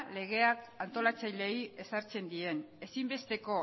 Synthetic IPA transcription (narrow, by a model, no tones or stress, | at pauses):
le̞ɣ̞e̞akant̪o̞lat͡sajle̞je̞saɾt͡se̞nd̪ie̞ne̞simbe̞st̪e̞ko̞